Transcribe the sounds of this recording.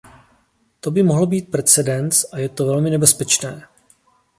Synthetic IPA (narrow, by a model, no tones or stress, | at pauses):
t̪o̞bɪmoɦl̩biːt̪̚pɾɛt͡sɛdɛnt͡sʔajɛt̪ovɛlmɪnɛbɛspɛt͡ʃnɛː